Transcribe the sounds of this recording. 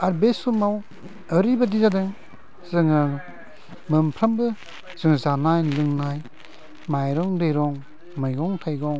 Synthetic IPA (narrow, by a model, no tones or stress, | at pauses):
aɾbesumaw | əɾibadizadɯŋ | zɯŋɯ | mɯmpʰɾambɯ | z̥ɯŋzanajlɯŋnaj | majɾɔŋdɯjɾɔŋ | mɯjɡɔŋtʰajɡɔŋ